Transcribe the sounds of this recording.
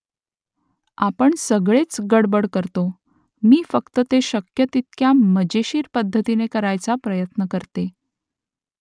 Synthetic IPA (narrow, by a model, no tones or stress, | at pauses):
apəɳsəɡɭet͡sɡəɽbəɽkəɾt̪o | miːfəkt̪ət̪eɕəkjət̪it̪̚kjaməd͡ʑeɕiːɾpəd̪ʱːət̪inekəɾajt͡sapɾəjət̪nəkəɾt̪e